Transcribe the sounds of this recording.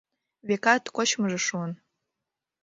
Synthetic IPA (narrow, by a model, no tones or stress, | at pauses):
βekɑt̪kot͡ɕməʒĕʃuən